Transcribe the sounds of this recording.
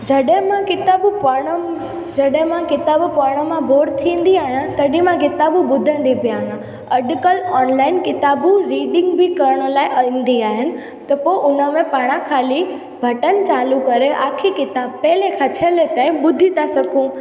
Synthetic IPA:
d͡ʑɐɗɦɪ̃mãkɪt̪aːbupaːɽ̃ə | d͡ʑɐɗɦɪ̃mãkɪt̪aːbpaːɽ̃ə̆mãbʱoːɾɖt̪ʰĩːn̆d̪iaːɦijãt̪ɐɗĩmãkɪt̪aːbuɓʊd̪ʱə̃n̆d̪ipijaːɦjã | ɐɖkəlɔːnlaːɪnkɪt̪aːbuɾiːɗɪ̃ŋɡbʱɪkɐɾəɽ̃ə̆laːɪʔɐĩːn̆d̪iaːɦɪnɪ̆ | t̪ɐpoːɪʔʊnə̆mẽpaːɽ̃ãkʰaːli | bʱɐʈən̆t͡ɕaːlukɐɾeʔa̰ːkʰikɪt̪aːbpɛɦlekʰat͡ɕʰəlet̪ãːɪ̃ɓʊd̪ʱit̪ʰasɐɡʱũ

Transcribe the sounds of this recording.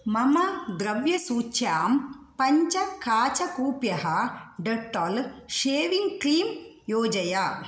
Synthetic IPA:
mɐmɐd̪ɾɐʋjɐsuːt͡ʃjaːmpɐɲt͡ʃɐkaːt͡ʃɐkuːpjɐɦɐɖɐkʈɐlʃeːʋiŋɡkliːm | joːd͡ʒɐjɐ

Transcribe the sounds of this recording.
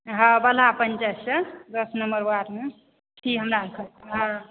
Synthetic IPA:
ɦə̃bəl̤apənt͡ʃassəd̪əsnəmbəɾbaɾme | ʈʰiɦəmɾakʰəɦə̃

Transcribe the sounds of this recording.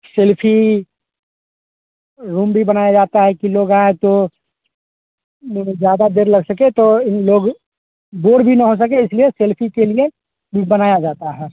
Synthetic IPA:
selpʰi | ɾũːmbʱibənaːjad͡ʒaːt̪aɦɛkiloːɡaẽt̪o | d͡ʒjaːd̪ad̪eːɾlɐɡsəket̪oloːɡ | boːɾbʱinɐɦos̬əkeɪslieselpʰikelie | bʱibənaːjad͡ʒaːt̪aɦɛː

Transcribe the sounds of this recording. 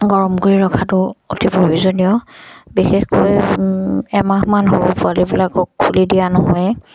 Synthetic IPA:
ɡɔɹɔmɡuɹiɹɔkʰatʊotʰipobizonijɔbixɛxkoj | ɛmakmanɦoɹupʊalibilakɔkʰːulidijanɔɦɔj

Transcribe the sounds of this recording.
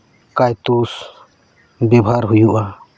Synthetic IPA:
kajt̪us | bjɔbʱaɾɦujuʔa

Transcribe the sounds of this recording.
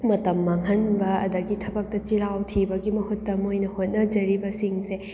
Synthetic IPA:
mɐtɐmːaŋɦɐnbɐɐ̰dɐɡitʰɐbɐk̚tɐt͡ʃiɾawtʰibɐɡimɐhutːɐmojnɐhot̚nɐd͡ʒɐɾibɐsiŋse

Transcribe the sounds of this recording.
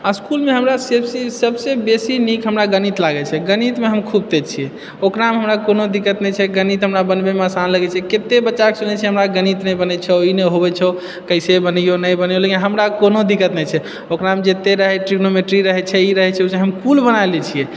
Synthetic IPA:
askulmeɦəmɾasebsisəbsebesinikɦəmɾaɡənit̪laɡɛt͡ʃʰɛɡənit̪meɦəmkʰub̚t̪et͡ʃʰiɛ | okɾamɦəmɾakonod̪ikːət̪nɛt͡ʃʰɛɡənit̪ɦəmɾabənbemeasanləɡɛt͡ʃʰɛket̪ebəːt͡ʃaksunɛt͡ʃʰɛɦəmɾaɡənit̪nəjbənɛt͡ʃʰɛoinɛɦobɛt͡ʃʰɛ | kəɪsebənijonəjbənjolekinɦəmɾakonod̪ikːət̪nɛt͡ʃʰɛ | okɾamd͡ʒet̪eɾəɦɛʈɾiɡnomeʈɾiɾəɦɛt͡ʃʰɛiɾəɦɛt͡ʃʰɛot͡ʃɛɦəmkulbənajlɛt͡ʃʰijɛ

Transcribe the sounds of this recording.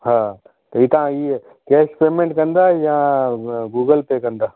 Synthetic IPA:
ɦãː | t̪oiːt̪ãiː | keːʃpeːmẽɳʈkɐ̃nd̪ajã | ɡuːɡəlpekɐ̃nd̪aː

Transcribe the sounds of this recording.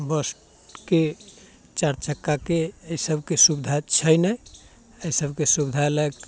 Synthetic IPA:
bəsʈ | ke | t͡ʃaɾt͡ʃəkːakeəjsəbʱkesubid̪ʱat͡ʃʰəjnəj | əjsəbʱkesubd̪ʱaeləɡ

